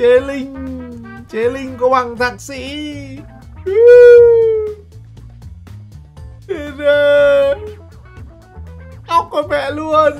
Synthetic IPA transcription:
e˨˦lï˧ŋ̟ | t͡ɕe˨˦lï˧ŋ̟kɔ˧˦wɓa˨˩ŋt̪ʰaː˨˩k̚sḭ˧˥˦ | e˧˩ze˧ | ɗa˦wk͡p̚kɔ˨˦mɛ̰˧˨lu˧ən

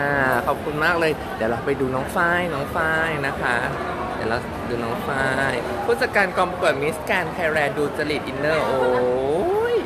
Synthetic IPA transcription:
ʔaː˧˩kʰɔː˨˩p̚kʰu˧nmaː˥˩k̚lɤː˧j | dɛː˨˩wla˦˥˩pa˧jduː˧nɔː˦˥ŋfaː˥˩jnɔː˦˥ŋfaː˥˩jna˦˥kʰa˦˥ | dɛː˨˩wla˦˥ | duː˧nɔː˦˥ŋfaː˥˩j | pʰuː˥˩t̪̚sa˧kaː˧nkɔ˧m˧ku˨˩ət̪̚mi˦˥skɛː˧nk̪ʰaː˧ɾɛː˧duː˧t͡ɕa˧li˨˩t̪ʔi˧nːɤː˥˩ʔoː˧jj

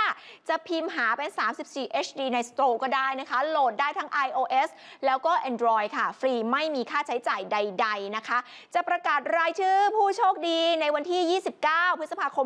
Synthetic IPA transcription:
t͡ɕa˨˩pʰiː˧mɦaː˩˦pe˧nsaː˩˦msi˨˩p̚siː˨˩ʔeː˦˥t͡ɕʰdiː˧na˧jst̪oː˧kɔː˥˩daː˥˩jna˦˥kʰa˦˥loː˨˩t̪̚daː˥˩jt̪ʰa˦˥ŋʔa˧jʔoː˧ʔe˦˥s | lɛː˦˥wkɔː˥˩ʔɛ˧ndɾɔː˧jkʰa˥˩fɾiː˧ma˥˩jmiː˧kʰaː˥˩t͡ɕʰa˦˥jt͡ɕaː˨˩jda˧jda˧jna˦˥kʰa˦˥ | t͡ɕa˨˩pɾa˧kaː˨˩t̪̚ɾaː˧jt͡ɕʰɯː˥˩pʰuː˥˩t͡ɕʰoː˥˩k̚diː˧na˧jwa˧nt̪ʰiː˥˩jiː˥˩si˨˩p̚kaː˥˩wpʰɯ˦˥t̪̚sa˧pʰaː˧kʰo˧

